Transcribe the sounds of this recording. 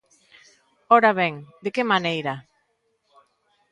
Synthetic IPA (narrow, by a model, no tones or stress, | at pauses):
ɔɾaβɛŋd̪ekemanejɾa